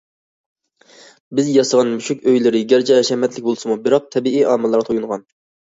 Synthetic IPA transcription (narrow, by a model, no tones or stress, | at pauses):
bɪzjɑsəʁɑnmyʃykʲøjlɪɾɪɡʲæɾd͡ʒɛɛʃɛmɛt̪lɪk̚ʲbolˠɨsɨmubɪɾɑq̚t̪ʰɛbiiʔɑːmɨlˠːɑɾʁt̪ʰojuŋʁɑn